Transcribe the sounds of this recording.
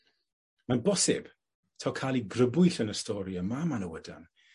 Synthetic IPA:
manbɔsɪ̰b̥ | tʰawkʰalˠiɡrəbʊɨθənəstɔːɾjəmamanəwəda̰n

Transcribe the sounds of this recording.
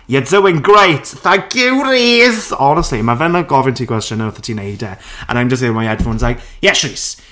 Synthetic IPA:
jɛtzowɪ̃ŋɡɹejtθãŋkʰjuɾiːzɔnəstlimavɛnəɡɔvɪntʰikʰw̥ɛst͡ʃə̃nəwθətʰinejdɛə̰naɪj̃md͡ʒəsteɪmajɛd̥fownɪzlaɪk | jɛʃɹiːs

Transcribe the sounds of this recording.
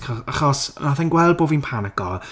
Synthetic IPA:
kɔaχɔsnaθɛnɡwɛlˠd̚boːvinpʰanaɡ̥ɔl

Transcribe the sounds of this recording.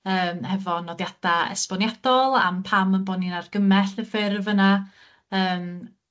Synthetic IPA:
əːmhɛvɔnɔdjad̥aɛ̰spɔnjad̥ɔlˠa̰mpʰamənbɔninarɡəmɛɬəfɪrvəna | əːm

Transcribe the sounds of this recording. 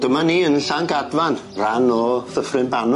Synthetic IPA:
dəmaniənɬaŋɡadvanranɔθəfrɨnban

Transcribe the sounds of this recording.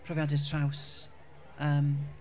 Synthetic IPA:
pʰrɔvjadɪdtʰr̥aws | əːm

